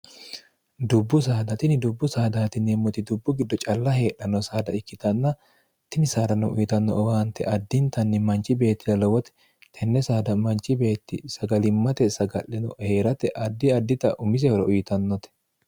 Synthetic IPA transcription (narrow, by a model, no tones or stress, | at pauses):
d̪ʊbːʊs̬aːd̪ɐt̪ɪnɪd̪ʊbːʊsaːd̪aːt̪ɪneːmːɔt̪ɪd̪ʊbːʊɡɪd̪ːɔt͡ʃʼɐlːɐhe̞ːᶑɐnːɔsaːd̪ɐɪkːɪt̪ɐnːɐ | t̪ɪnɪsaːd̪ɐnɔʔʊjɪt̪ɐnːɔ̰ʔɔwaːnt̪ɛ̰ʔɐd̪ːɪnt̪ɐnːɪmɐnt͡ʃːɪbe̞ːt̪ːɪd̪ɐlɐwɔt̪ɛ̥ | t̪ʰɛnːɛsaːd̪ɐmɐnt͡ʃːɪbe̞ːt̪ːɪ̰sɐɡɐlɪmːɐt̪ɛsɐɡɐ̰ʔːɛnɔ̰he̞ːɾɐt̪ɛʔɐd̪ːɪɐd̪ːɪt̪ɐ̰ʔʊmɪs̬ɛhɔɾɐʊjɪt̪ɐnːɔt̪ɛ̥